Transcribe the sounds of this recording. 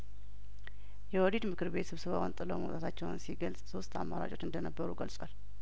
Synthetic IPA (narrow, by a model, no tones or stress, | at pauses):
jɛwɔd̪id̪mɨkʰɨɾβe̞t̪sɨβsɨβawɔnt̪ʼɨlə̰mə̰wt̪ʼat̪ʰat͡ʃːɛwnsiɡəlsʼso̞st̪ʰa̰mːaɾa̰t͡ʃʼo̞t͡ʃɨnd̪ənəbːəɾuɡəlsʼwal